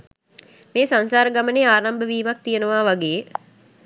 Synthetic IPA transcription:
meːsansaːɾəɡaməneaːɾambəʋiːmak̚t̪ijənəʋaːʋaɡeː

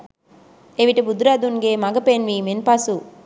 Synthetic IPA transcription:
eʋiʈɐbud̪ɾaːd̪unɡeːmɐɡɐpenʋimenpaːsu

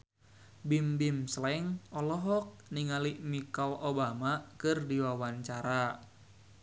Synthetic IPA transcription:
bimbimslɛŋɔlɔɦɔk̚niŋalimikalobamakɨrdiwawaɲt͡ʃaɾa

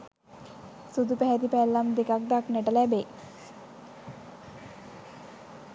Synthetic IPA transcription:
sud̪upæɦæt̪ipælːamd̪ekak̚d̪akneʈəlæbe

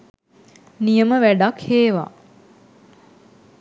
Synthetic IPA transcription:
nijəməʋæɖakheːʋa̰ː

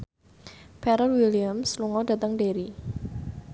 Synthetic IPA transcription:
pɛɾəlwiliamsluŋɔda̤t̪əŋdeɾi

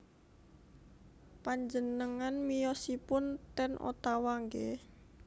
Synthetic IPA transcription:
paɲd͡ʒənəŋanmijɔsipʊnt̪ɛnʔo̰t̪awaŋɡe

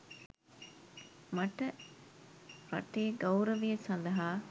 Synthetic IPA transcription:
mɐʈɐ | ɾɐ̰ʈeːɡɐwɾɐʋijɐsɐnd̪ɐɦaː

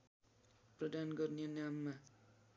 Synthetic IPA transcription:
prʌd̪ʱanɡʌrnijenamːa

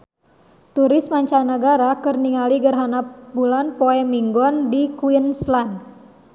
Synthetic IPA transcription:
t̪uɾɪsmaɲt͡ʃanaɡaɾakərniŋaliɡərɦanapbulanpoɛmiŋɡɔndikuinslan

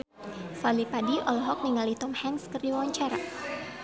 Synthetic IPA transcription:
falipadiʔɔlɔɦɔk̚niŋalit̪ɔmhɛŋskərdiwaɲt͡ʃaɾa̰

